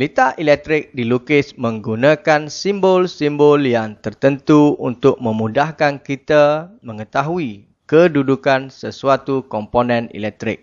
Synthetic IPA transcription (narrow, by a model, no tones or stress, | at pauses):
lit̪aʔilɛk̚t̪ɾɪk̚dilukɪsmə̃ŋɡunãkansimbɔlsimbɔljaŋt̪ərt̪ənt̪uunt̪ʊk̚mə̃mudahkankit̪amə̃ŋət̪aɦui | kədudukansəsuat̪ukɔmponɛ̃nḭlɛk̚t̪ɾɪ̰k̚